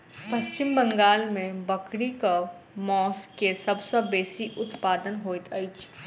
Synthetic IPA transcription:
pɐst͡ʃɪmbɐ̃ŋɡaːlmẽbɐkɽika | mɔːskesɐbsəbeːsiʔʊt̪paːd̪ənɦoːit̪ɐɪt͡ʃʰ

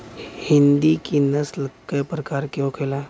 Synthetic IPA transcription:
hind̪ikinəsləkːəjpɾəkaɾkjokʰela

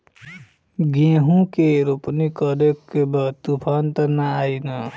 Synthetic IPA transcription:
ɡẽɦũkeɾopnikʌɾekːebʌt̪upʰant̪ʌnaajnʌ

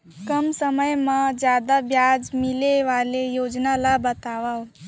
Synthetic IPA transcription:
kəmsəməjmãd͡ʒjad̪abjad͡ʒmileʋalejod͡ʒnalabət̪aʋa

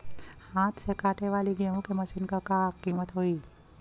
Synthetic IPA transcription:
hãt̪t͡ʃʰekaʈeʋaliɡɛɦũkeməʃinkəkakimət̪ɦoi

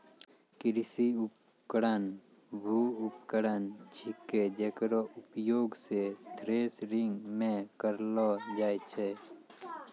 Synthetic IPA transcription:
kɪɾɪsiʊp | kəɽən | bʱuʊpkəɾənd͡ʒʰɪkːed͡ʒekɾoʔʊpjoːɡsed̪ʱɾeːsɾɪ̃ŋɡmẽkəɾlɔd͡ʒaːet͡ʃʰe

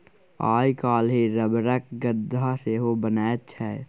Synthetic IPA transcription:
aːjkaːlɦeɾəbɾək̚ɡəd̪ʱːaseɦobənaːtt͡ʃʰɛː

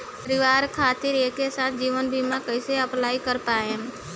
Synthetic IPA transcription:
pəɾɪʋaːɾkʰaːt̪ɪɾeːkːesaːt̪̚ʰd͡ʒiːʋənbʱiːmãkəɪseəplaːikəɾpaːe

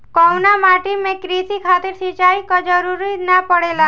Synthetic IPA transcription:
kɔwnamaʈimẽkɾit̪ikʰat̪iɾsit͡ʃaikɔd͡ʒəɾuɾinapəɽela

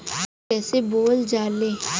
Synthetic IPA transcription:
kɛːseboːld͡ʒaːleː

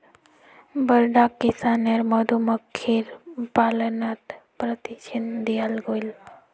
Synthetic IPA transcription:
bəɾɖakːisaneɾməd̪ʱuməkʰːiɾpalənat̪pɾət̪it͡ʃənd̪ijalɡol

